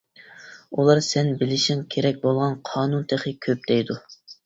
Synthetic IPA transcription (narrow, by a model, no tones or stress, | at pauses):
ulˠɑɾsɛnbɪlɪʃiŋkʲʰeɾɛk̚ʲbolˠʁɑnqʰɑːnunt̪ʰeχɨkʲʰøp̚d̪̥ɛjd̪u